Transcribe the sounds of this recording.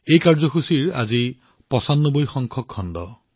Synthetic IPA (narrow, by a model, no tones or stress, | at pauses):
ejkaɹzɔxʰusiɹa̰zi | pɔsanːɔbojxɔŋkʰɔkʰːɔndɔ̰